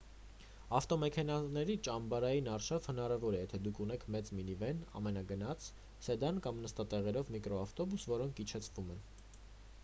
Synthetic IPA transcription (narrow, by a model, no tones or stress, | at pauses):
ɑft̪ɔmɛkʰɛnɑnɛɾit͡ʃɑmbɑɾɑjinɑɾʃɑv̥hənɑɾɑvɔɾɛjɛt̪ʰɛd̪ukʰunɛkʰmɛt͡sminivɛnɑ̰mɛnɑɡənɑt͡sʰ | sɛd̪ɑnkɑmnəst̪ɑt̪ɛʁɛɾɔvmikɾɔɑft̪ɔbusvɔɾɔŋkʰit͡ʃʰɛt͡sʰvumɛn